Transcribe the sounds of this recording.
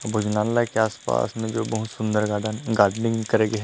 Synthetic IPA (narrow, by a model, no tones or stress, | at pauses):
bʱʊd͡ʒnãːnlakeaːspa̰ːsmẽd͡ʒoːbɐɦʊt̪sʊ̃nd̪əɾɡaɡaːɾɖnɪ̃ŋɡkɐɾeːɡeɦɛ